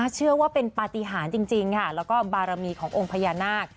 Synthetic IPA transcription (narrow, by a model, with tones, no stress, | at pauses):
aː˥˩t͡ɕʰɯ˥˩ɐwaː˥˩pe˧npaː˧t̪i˧ɦaː˩˦nt͡ɕi˧ŋt͡ɕi˧ŋkʰa˥˩lɛː˦˥wkɔː˥˩baː˧ɾa˧miː˧kʰɔː˩˦ŋʔo˧ŋpʰa˧jaː˧naː˥˩k̚